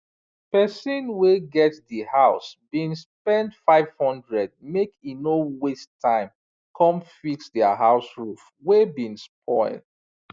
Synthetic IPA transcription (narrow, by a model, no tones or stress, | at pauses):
pɛsĩnweɡɛtdihaʊsbĩnspɛ̃ndfaɪv̥hɔ̃ndɹɛd̚mekinowestʰãɪ̃m | kʰɔ̃mfiksdɛaɦaʊsɹuf | webĩnspʰɔ̃ɪld